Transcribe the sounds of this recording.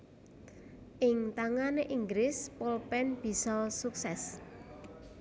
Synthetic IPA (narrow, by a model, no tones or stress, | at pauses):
ʔɪŋt̪aŋaneʔiŋɡɾɪspɔlpɛnb̥i̤sɔsuksɛs